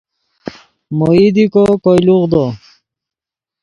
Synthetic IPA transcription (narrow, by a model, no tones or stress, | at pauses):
moid̪ikɔkɔjluʁd̪ɔ